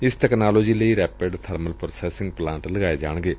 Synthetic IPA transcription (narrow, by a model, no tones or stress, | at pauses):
ɪsʈɛknaːloːd͡ʒiːləiːɾɛːpeɖt̪ʰəɾməlpɾosɛːsɪ̃ŋɡ̚plãːnʈləɡaːeːd͡ʒa̰ːɳ̃ɡeː